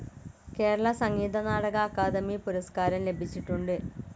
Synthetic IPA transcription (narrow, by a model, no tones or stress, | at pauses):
ke̞ːɾɐɭɐsɐŋːiːd̪ɐnaːɽɐɣɐːkːaːd̪ɐmipuɾɐskaːɾɐmle̞bʱit͡ɕːiʈːuɳɖɨ